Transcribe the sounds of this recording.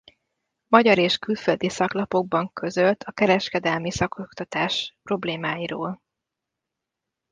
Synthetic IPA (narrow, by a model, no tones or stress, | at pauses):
mɒɟɒɾeːʃkylføld̪isɒklɒpo̞ɡ̚bɒŋkʰø̞zølt̪ʰɒkɛɾɛʃkɛd̪ɛlmisɒko̞kt̪ɒt̪aːʃpro̞bleːmaːjiɾoːl